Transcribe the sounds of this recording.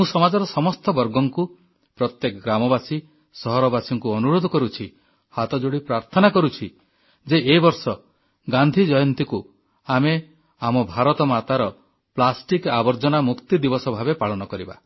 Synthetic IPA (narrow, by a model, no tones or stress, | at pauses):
mũsɔmad͡ʒɔɾɔsɔmɔst̪ɔbɔɾɡɔŋku | pɾɔt̪jekɔɡɾamɔbasi | sɔɦɔɾɔbasɔŋkuɔnuɾod̪ʱɔkɔɾut͡ʃʰi | hat̪ɔd͡ʒoɽipɾaɾt̪ʰɔnakɔɾut͡ʃʰi | d͡ʒeʔebɔɾsɔ | ɡand̪ʱid͡ʒɔjɔnt̪iku | ame | amɔbʱaɾɔt̪ɔmat̪aɾɔ | plasʈikabɔɾd͡ʒɔnamukt̪id̪ibɔsɔbʱabepaɭɔnɔkɔɾiba̰